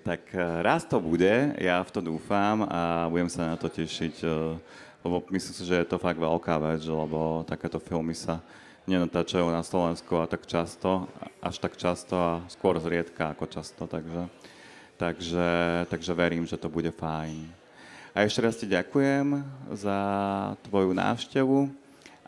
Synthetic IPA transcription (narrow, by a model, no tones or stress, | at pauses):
t̪akɾast̪ɔbuɟɛjaft̪ɔd̪uːfamabuɟɛmsanat̪ɔcɛʃic | lɛbɔmisliːmsiʒɛjɛt̪ɔfaɡʋɛlkaːʋɛt͡slɛbɔt̪akɛːt̪ɔfilmisa | ɲɛnat̪aːt͡ʃajuːnaslɔʋɛnskuat̪akt͡ʃast̪ɔʔa̰ʃt̪akt͡ʃast̪ɔaskʊɔɾzɾɪɛt̪kaːkɔt͡ʃast̪ɔt̪aɡʒɛ | t̪aɡʒɛt̪aɡʒɛʋɛɾiːmʒɛt̪ɔbuɟɛfajn | aɛʃcɛɾasciɟakujɛmzat̪ʋɔjuna̰ːʊʃcɛʋu